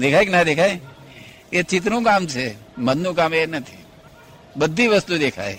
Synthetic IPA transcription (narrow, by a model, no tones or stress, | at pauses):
d̪ekʰaeknad̪ekʰae | et͡ʃɪt̪̬nũkamt͡ʃʰemənnũkamenət̪ʰḭ | bəd̪ʱːiʋəst̪ud̪ekʰa̰e